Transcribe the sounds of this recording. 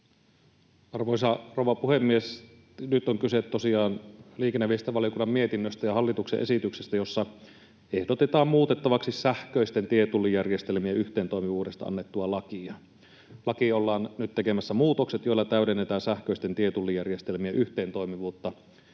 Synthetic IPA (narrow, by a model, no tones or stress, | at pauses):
ɑrʋoisɑrowʋɑpuhemːies | nyt̪oŋkysett̪osiɑːnliːkenːæʋist̪æʋɑlijokunːɑmmiet̪inːøst̪æjɑhɑlːit̪uksḛʔḛsit̪yksest̪æjosːɑ | ehdot̪et̪ɑːmmuːt̪et̪ːɑʋɑksissæhkøist̪ent̪iet̪ulːijærjest̪elmiæʔyht̪eːnt̪oˑjmiʋuːdest̪ɑʔɑ̰nːet̪ːuɑlɑkiɑ | lɑkiolːɑːnnyt̪ekemæsːæmuːt̪okset̪joilːɑt̪æydenːet̪æːnsæhkøist̪ent̪iet̪ulːijærjest̪elmiæʔyht̪eːnt̪oimiʋuːt̪ːɑ